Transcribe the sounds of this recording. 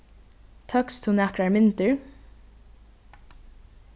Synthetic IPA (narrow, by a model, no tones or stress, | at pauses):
t̪ʰœkst̪ʰunækɹaɹmɪnt̪əɹ